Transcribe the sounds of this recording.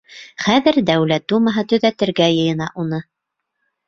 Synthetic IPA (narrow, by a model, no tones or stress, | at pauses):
χæðɘɾd̪æwlæt̪̚d̪umɑɦɤt̪ɵ̆ðæt̪ɘ̆ɾɡæjɤ̆jɤ̆nɑʔunɤ